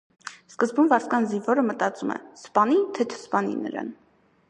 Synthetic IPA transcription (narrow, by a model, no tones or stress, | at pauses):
skəzbumvɑɾskɑnzinvɔɾəmət̪ɑt͡sumɛ̰spɑnit̪ʰɛt̪ʰə̥spɑnḭnə̰ɾɑ̰n